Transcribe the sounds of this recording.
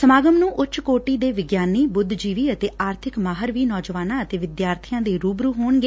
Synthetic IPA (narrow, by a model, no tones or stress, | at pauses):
səmaːɡəmnũːʔʊt͡ʃkoːʈiːd̪eːʋɪɡjaːniːbʊd̪ʱd͡ʒiːʋiːət̪eːʔaːɾt̪ʰɪkmaːɦəɾʋiːnɔːd͡ʒəʋaːnãːət̪eːʋɪd̪jaːɾt̪ʰɪjãːd̪eːɾuːbɾuːɦoːɳɡeː